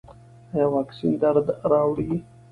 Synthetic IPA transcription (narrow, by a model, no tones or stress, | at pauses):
ajawɑːksind̪aɾd̪ɾɑːwɽɡi